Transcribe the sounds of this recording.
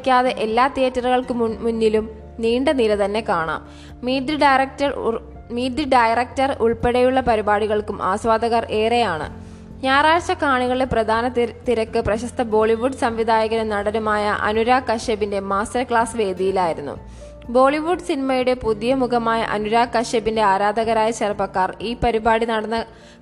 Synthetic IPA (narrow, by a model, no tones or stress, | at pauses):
kʲːaːðe̞ʔelːaːt̪ijɐtːɐrɨɣɐɭkɨmmunːilum | niːɳɖɐniɾɐðɐnːe̞kaːɳa̰ːm | iːd̪ɨɖɐjrɐk̚tɐ | miːd̪ɨɖɐjrɐk̚tɐruɭpeɽɐjuɭːɐpɐɾibaːɽiɣɐɭkumʔa̰ːsʋaːd̪ɐɣɐre̞ːrejaːɳɨ̰ | ɲaːraːt͡ɕɐkaːɳiɣɐɭeprɐd̪ʱaːnɐt̪ːiɾɐkːɨprɐɕɐst̪ʰɐbo̞ːɭiʋuɖsɐmʋid̪ʱaːjɐɣɐɾɐnɐɽɐnumaːjɐʔɐ̰nuɾaːkɐʂebinde̞maːstɐrkɭaːsʋe̞ːd̪ʱijilaːjiɾunːṵ | bo̞ːɭiʋuɖsinimɐjuɽe̞pud̪ijɐmukɐmaːjɐ̰ʔɐ̰nuɾaːkːɐʂebinde̞aːɾaːd̪ʱɐɣɐɾaːjɐt͡ɕɐrɐbɐkːaːriːpɐɾibaːɽinɐɽɐnːɐ